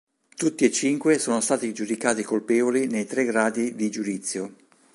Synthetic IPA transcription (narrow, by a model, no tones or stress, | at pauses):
t̪ut̪ːiet͡ʃːiŋkwesoːnost̪aːt̪id͡ʒud̪ikaːt̪ikolpeːvolinejt̪ɾeɡɾaːd̪id̪id͡ʒud̪it̪sːjo